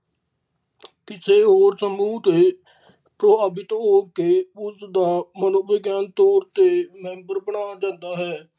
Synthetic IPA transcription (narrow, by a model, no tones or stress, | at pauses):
kɪseːɦoːɾsəmuːt̪eː | pɾoːaːbɪt̪ɦoːkeːʊsd̪aːmənoːbɪɡjaːnt̪ɔːɾt̪eːmɛ̃ːmbəɾbəɳaːd͡ʒãːnd̪aːɦɛː